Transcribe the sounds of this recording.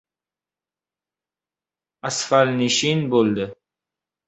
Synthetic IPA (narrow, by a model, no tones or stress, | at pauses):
asfalniʃinbold̪e